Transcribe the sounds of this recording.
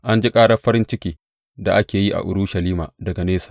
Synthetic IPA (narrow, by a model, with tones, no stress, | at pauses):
ʔa˦nd͡ʒi˦kʼaː˦ɽɐ˦ɸɐ˦ɾɪ˦nt͡ʃɪ˦kʲiː˨ | da˨ʔa˦kʲeː˨ji˦ʔa̰˨ʔʊ˨ɽu˦ʃɐ˨liː˦ma̰ː˨dɐ˨ɡa˨neː˦sḁː˨